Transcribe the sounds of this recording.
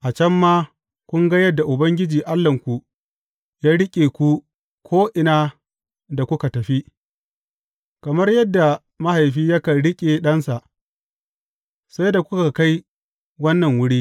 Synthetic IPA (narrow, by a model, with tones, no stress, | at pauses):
ʔa˨t͡ʃɐ˦mːaː˦ | kʷʊ˦ŋɡa˦jɐ˦dːa˨ʔʊ˨bɐ˦ŋɡʲɪ˦d͡ʒiː˨ʔa˦lːɐ˨ŋkʷu˨ | jaː˦ɽɪ˦kʲʼeː˨kʷu˦ | kʷʰoː˦ʔɪ˨naː˦ | da˨kʷʊ˦ka˨tɐ˨ɸi˦ | kɐ˨mɐ˦rjɐ˦dːa˨ | ma˦ha˨jɸiː˦jɐ˦ka˨ɽɪ˦kʲʼeː˨ɗɐ˦nsa˨ʔ | sa˦jda˨kʷʊ˦ka˨ka˦j | wɐ˦nːɐ˨ŋwʊ˦ɽiː˦